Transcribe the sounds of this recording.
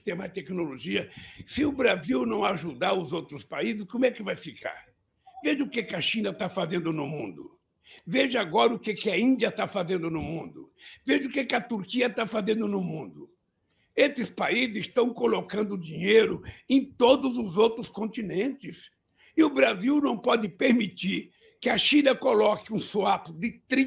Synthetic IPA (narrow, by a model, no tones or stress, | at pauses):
t̪ẽmat̪ɛknoloʒiɐsɪʊbɾaziwnɐ̃w̃aʒud̪aʊzowt̪ɾʊspaizɪskõmʊɛkɪvajfika̰ɾ | veʒɐʊkekɪɐʃĩnɐt̪afazẽnd̪ʊnʊmũnd̪ʊ̰ | veʒɐaɡɔɾɐʊkekɪɐĩd͡ʒiɐt̪afazẽnd̪ʊnʊmũnd̪ʊveʒɐʊkekɪɐt̪uɾkiɐt̪afazẽnd̪ʊnʊmũnd̪ʊ | esɪspaizɪst̪ɐ̃w̃kolokɐ̃nd̪ʊd͡ʒiɲejɾʊẽj̃t̪od̪ʊzʊzowt̪ɾʊskõnt̪inẽnt̪ɪs | ɪʊbɾaziwnɐ̃w̃pɔd̪ɪpeɾmit̪iɾ | kɪɐʃĩnɐkolɔkɪũsoapʊd̪ɪt̪ɾi